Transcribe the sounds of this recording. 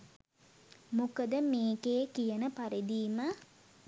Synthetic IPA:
mukəd̪əmeːkeːkijənəpaɾed̪iːmə

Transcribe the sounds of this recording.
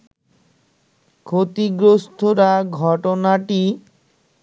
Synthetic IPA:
kʰot̪iɡɾost̪ʰoɾaɡʱɔʈonaʈi

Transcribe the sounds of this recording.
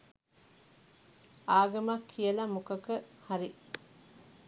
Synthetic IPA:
aːɡɐmɐkʰːijɐlɐmukɐkəhɐɾi

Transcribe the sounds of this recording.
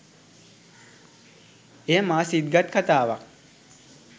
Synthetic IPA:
eːmaːsid̪ɡat̪̚kʰat̪aːʋak

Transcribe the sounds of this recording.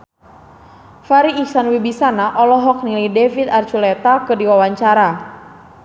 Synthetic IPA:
faɾiːksanwibisanaʔɔlɔɦɔk̚nilajdefit̪art͡ʃulɛt̪akɨdiwawaɲt͡ʃaɾa

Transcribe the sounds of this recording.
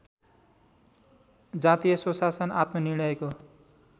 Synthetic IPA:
d͡zat̪ijʌsosasʌna̰t̪mʌniɽ̃ʌjeko

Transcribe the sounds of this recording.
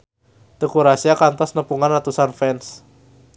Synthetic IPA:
d̪̥ekuɾasiakant̪ɔsnəpuŋanrat̪usanfɛns

